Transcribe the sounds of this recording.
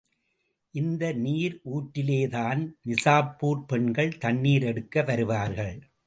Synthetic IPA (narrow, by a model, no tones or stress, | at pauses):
ʔɪnd̪ɐniːɾʔuːʈːɪleːðaːnnɪsaːpːuːɾpɛɳɡɐɭt̪ɐɳːiːɾɛɽɯkːɐʋɐɾɯʋaːɾɣɐɭ